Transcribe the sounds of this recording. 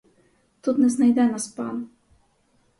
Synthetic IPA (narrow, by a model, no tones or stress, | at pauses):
t̪ud̪nɛznajd̪ɛnaspa̰n